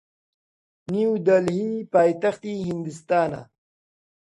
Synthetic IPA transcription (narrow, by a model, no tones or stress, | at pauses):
niwd̪ɐlɦipaːjt̪ɐxt̪iɦind̪ust̪aːna̰